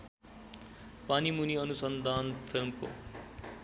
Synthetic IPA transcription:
panimuniʌnusʌnd̪ʱaːnpʰilmko̰

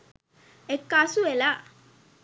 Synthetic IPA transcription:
ekːasuela

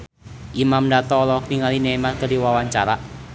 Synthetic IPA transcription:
ʔimamdat̪ɔːlɔkniŋalinemat̪kədiwawaɲt͡ʃaɾaʔ

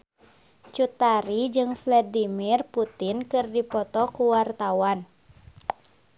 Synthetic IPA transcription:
t͡ʃut̪aɾid͡ʒɨŋflɛdimirput̪inkɨrdipɔt̪ɔkuwart̪awan

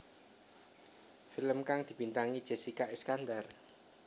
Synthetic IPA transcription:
filəmkaŋd̪̥i̤b̥int̪aŋid̥ʒ̥e̤sikaʔeskand̪ar

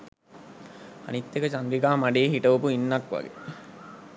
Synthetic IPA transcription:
a̰nit̪ːekət͡ʃand̪ɾikaːmaɖeːɦiʈəʋəpuinːakʋa̰ɡḛ

